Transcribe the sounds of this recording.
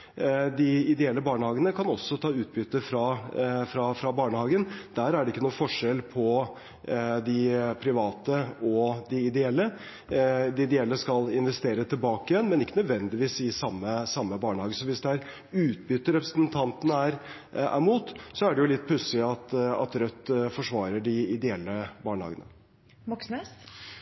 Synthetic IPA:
d̪ɪɪd̪ɛɛlːəbɑːɳəhɑːɡənəkʰɑnɔsːɔt̪ʰɑːʉːt̪̚bʏt̪ːəfɾɑfɾɑfɾɑbɑːɳəhɑːɡənd̪̥æɾæɖɛɪkːənuːfɔʂɛlpʰɔ | d̪ɪpʰɾɪʋɑːt̪əɔd̪ɪɪd̪ɛɛlːə | d̪ɪɪd̪ɛɛlːəskɑlɪnʋɛst̪eːɾət̪ʰɪlbɑːkɪjɛnmɛnɪkːənœd̪ʋɛnd̪ɪʋiːsɪsɑmːəsɑmːəbɑːɳəhɑːɡəsɔʋɪsd̪ɛæɾ | ʉːt̪̚bʏt̪ːəɾɛpɾəsənt̪ʰɑnt̪ənæɾ | æ̰ɾmuːt̪sɔæɖɛjʊlɪt̪̚ːpʰʉsɪɑt̪ɑ̰t̪ɾœt̪ːfɔʂʋɑːɾəɖɪɪd̪ɛɛlːəbɑːɳəhɑ̰ːɡənə̰ | ʋɔksnɛs

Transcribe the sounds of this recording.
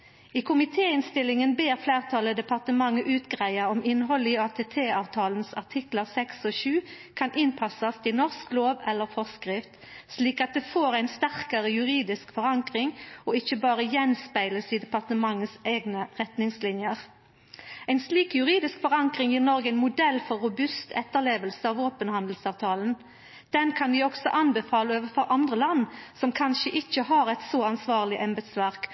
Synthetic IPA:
iːkʰʊmɪt̪ʰeːɪnst̪ɪlːɪŋənbeːʁfleːʁt̪ʰɑləd̪ɛpɑʁt̪əmɑŋːəʔʉːt̪ɡʁæɪɑɔmɪnɦɔlɪɑːt̪ʰeːt̪ʰeːɑːʋt̪ʰɑːln̩sɑʁt̪ʰɪkləʁsɛksɔʃʉː | kʰɑnʔɪnpʰɑsɑst̪ʰɪnɔʁskloːʋɛlːəʁfɔskʁɪft̪ | sliːkɑt̪̚d̪eːfoːʁæɪnst̪æʁkɑʁəjʉʁiːd̪ɪskfɔʁɑŋkʁɪŋoːɪçəbɑːʁəjɛnspæɪləsiːd̪ɛpɑʁt̪əmɑŋːəsæɪɡnəʁɛt̪nɪŋslɪnjəʁ | æɪnsliːkjʉʁiːd̪ɪskfɔʁɑŋkʁɪŋjiːʁnɔʁɡəæɪnmʊd̪ɛlːfɔʁːʊbʉst̪ʰɛ̰t̪ːəʁleːʋəlsəɑːʋoːpənhɑnd̪l̩sɑːʋt̪ʰɑːlən | d̪̥ɛnkʰɑnʋɪːɔksɔ̰ʔɑnbəfɑːləoːʋəfɔɾʔɑnd̪ʁəlɑnːsɔmkʰɑnʃəʔɪçːəɦɑɾɛt̪sɔɑnsʋɑːʁlɪʔɛmbɛt̪sʋæʁk

